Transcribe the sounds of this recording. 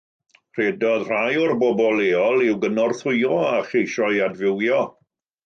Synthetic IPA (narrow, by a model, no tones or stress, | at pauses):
r̥ɛdɔðr̥ajɔrbɔbɔlˠeːɔlˠɪwɡənɔrθʊɨɔaχejʃɔɨadvɪwjɔ